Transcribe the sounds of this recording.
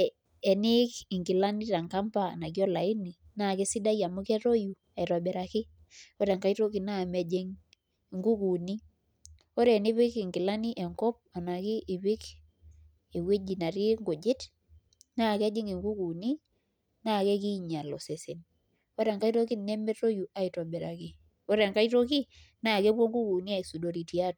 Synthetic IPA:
ɛ˨ni˦ki˨ŋɡi˨la˦ni˦ta˨ŋka˦mpa̰˦˨na˨kjo˦la˨i˦ni˨ | na˦˨ke˦si˦da˦ja˨mu˦kɛ˦ɾo˦ju˨ | a˨i˨ɾo˨bɛ˨ɾa˨kɪ˦ | o˦ɾa˨ŋka˦i˦to˦ki˨na˦˨mɛ˨d͡ʒi˦ŋ˨ | ŋɡu˦ku˨ni˦ | o˦ɾɛ˦˨ni˦βɪ˦kɪ˨ŋɡi˨la˦ni˦ʔɛ˨ŋkɔ˦p̚a˨na˨ki˦ʔi˨βi˦k | e˨we˦d͡ʒi˨na˨ɾi˦ŋɡo˨d͡ʒɪ˦t | na˦˨ke˦d͡ʒɪ˦ŋi˨ŋɡu˦ku˨ni˦ | na˦˨ke˦ki˦ɲa˨lɔ˨se˨se˨n | o˦ɾa˨ŋka˦i˦to˦ki˦ne˦mɛ˦to˦ju˨a˨i˨to˨be˨ɾa˨ki˦ | o˦ɾa˨ŋka˦i˦to˦ki˦ | na˦˨ke˦bo˦ŋɡu˦ku˨ni˦a˨i˨su˨do˨ɾi˨ti˨a˦t

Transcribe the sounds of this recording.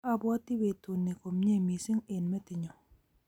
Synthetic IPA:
a˨bwɔ˦ti˦be˨tu˨nːi˨ko˨mɲe˦˨mi˨sɪ˦ŋe˨nmɛ˦tɪ˨ɲɔ˨

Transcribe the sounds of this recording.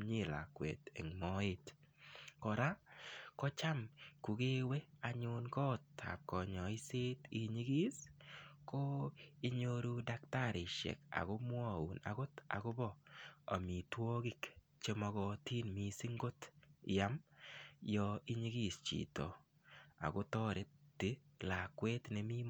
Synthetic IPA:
ɲi˦˨la̰˨kwḛ˨t̪ḛ˨ŋmɔ˦ɪ˦t | kɔ˨ɾa˦kɔ˦t͡ʃa˦mku˨ɡe˦we˦a˨ɲʊ˦nkɔ˦˨tːʰa̰˨p̚kɔ˨ɲɔ˨i˦se˦t̪i˦ɲi˦ɡi˦sko˦i˦ɲo˦ɾu˦da˦kta˦ɾɪ˨ʃɛ̰˨ka̰˨ɡʊ˦mwɔ˦˨ṵ˨na̰˨ɡʊ˦ta̰˨ɡʊ˦bɔ˦˨a̰˨mi˨two˦ɡɪ˦˨k | t͡ʃe˦mɔ˦ɡɔ˦ti˦nmi˨si˦ŋɡo˦tɪ˨ja˦m | jɔ˧i˦ɲi˦ɡi˦st͡ʃḭ˨tɔ̰˨ | a̰˨ɡo˦tɔ˦ɾe˦tːi˦la˨kwe˦tnɛ˨mi˦m

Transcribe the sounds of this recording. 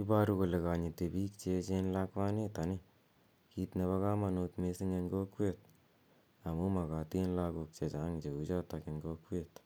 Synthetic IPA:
ki˦pa˦ɾuko˨le˨ka˨ɲi˨te˨piː˦k̚t͡ʃe˧t͡ʃenlakwa˦ne˦ta˨ni | kitne˧βa˦ka˦ma˨no˧tmesɪ˦ŋe˧ŋɡo˦kwe˦t̚ | a˨mu˦ma˨ka˨ti˦nlako˧k̚t͡ʃe˨t͡ʃa˨˦ŋit͡ʃe˨ku˦t͡ʃa˦take˨ŋɡokwet

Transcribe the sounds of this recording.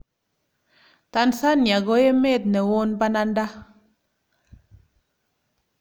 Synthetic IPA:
ta˦nsa˦nɲa˨ɡo˦je˦me˦˨t̚nɛ˨wo˦nba˦na˦n˦da˦

